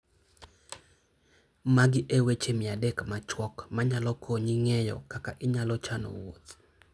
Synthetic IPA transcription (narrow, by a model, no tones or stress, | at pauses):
maɡɪʔewet͡ʃemɪadekmat͡ʃwɔkmaɲalɔkʰoɲiŋejɔ̰kakaʔɪɲalɔt͡ʃano̰wo̰t̪